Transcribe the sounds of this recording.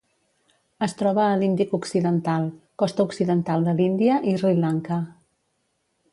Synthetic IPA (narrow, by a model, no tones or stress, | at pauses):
əst̪ɾɔβəːlind̪ikuksiðənt̪alˠkɔst̪əuksiðənt̪alˠd̪əlind̪iəʔizrilaŋkə